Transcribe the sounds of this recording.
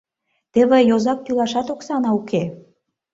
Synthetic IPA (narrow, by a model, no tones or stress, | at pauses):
t̪ĕβĕjozɑk̚t̪ylɑʃɑt̪oksɑnɑuke